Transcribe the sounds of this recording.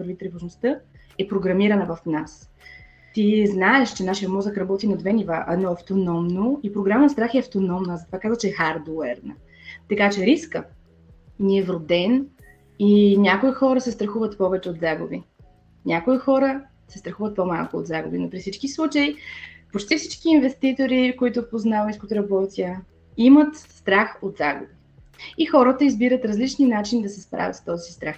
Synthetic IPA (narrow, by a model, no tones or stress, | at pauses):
vəɾvit̪ɾivoʒnost̪ɤ | ɛpɾoɡɾɐmiɾɐnəvɐfnas | t̪iznaɛʃt͡ʃɛnaʃijɐmɔzəkɾɐbɔt̪inɐd̪vɛnivaʔɛ̰d̪nɔɐft̪onɔmnoipɾoɡɾamənst̪ɾaxɛɐft̪onɔmnəːzɐt̪ovakazvət͡ʃɛɛxaɾd̪oɛɾnə̰ | t̪ɐkat͡ʃɛɾiskə | niɛvɾod̪ɛn | inʲakoixɔɾəsɛst̪ɾɐxuvət̪pɔvɛt͡ʃɛot̪d̪zaɡʊbi | nʲʔakoixɔɾə | sɛst̪ɾɐxuvət̪̚pomalˠkʊod̪zaɡṵbinopɾifsit͡ʃkislˠut͡ʃəipot͡ʃt̪ifsit͡ʃkiːnvɛst̪it̪oɾikoit̪ʊpoznaviskot̪ɾɐbɔt̪ʲiə | imət̪st̪ɾaxot̪zaɡʊ̰bi | ixɔɾət̪əizbiɾət̪ɾɐzlit͡ʃninat͡ʃinid̪ɐsɛspɾa̰vʲət̪st̪ɔzisist̪ɾax